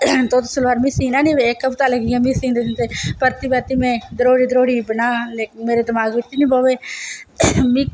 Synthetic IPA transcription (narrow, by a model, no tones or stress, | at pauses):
d̪oːt̪ːsəlʋaːɾmĩːsiːnãːnĩːʋeekəpt̪aːləɡijãːmĩːsĩːnd̪ent̪eːpəɾt̪iːbɛːɾt̪iːmɛ̃ːd̪əɾoːɽiːd̪əɾoːɽiːbənaːleːkmeːɾeːd̪ɪmaːɡʋɪʈːiːnĩːboːʋeː | mĩː